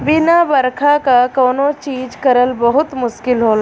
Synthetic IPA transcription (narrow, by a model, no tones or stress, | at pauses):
bɪnabəɾkʰakakoːnot͡ʃiːd͡ʒkɐɾəlbɐɦʊt̪mʊʃkɪlɦoːla